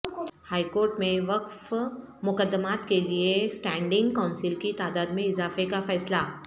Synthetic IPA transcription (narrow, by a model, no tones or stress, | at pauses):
haːikoːɾʈmẽʋɐqf | mʊkəd̪ːəmaːt̪keliesʈɛ̃ːɳɖɪ̃ŋɡkãʊ̃nsɪlkit̪aːd̪aːd̪mẽɪzaːfekafɛːsla